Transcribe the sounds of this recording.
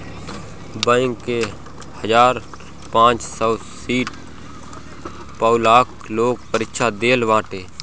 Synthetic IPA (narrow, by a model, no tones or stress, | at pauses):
bə̃ɪŋkːe | həd͡ʒaːɾ | pãːt͡ʃsəː | siːʈ | pəʊlaːk | loːɡ̚pəɾɪkʃad̪eːlʋãːʈeː